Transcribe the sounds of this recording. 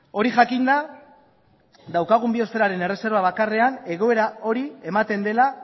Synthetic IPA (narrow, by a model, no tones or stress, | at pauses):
o̞ɾiʝakind̪a | d̪awkaɣ̞umbio̞st̪e̞ɾaɾe̞ne̞re̞se̞ɾβaβ̞akare̞ane̞ɣo̞e̞ɾao̞ɾiemat̪e̞nd̪e̞la